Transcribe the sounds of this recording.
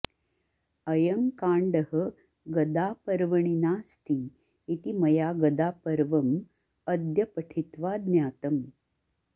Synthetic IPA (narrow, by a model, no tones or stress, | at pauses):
ɐjɐŋkaːɳɖɐɦə̆ | ɡɐd̪aːpɐɾʋɐɳinaːst̪iː | t̪imɐjaːɡɐd̪aːpɐɾʋɐm | ɐd̪jɐpɐʈʰit̪ʋaːd̪njaːt̪ɐm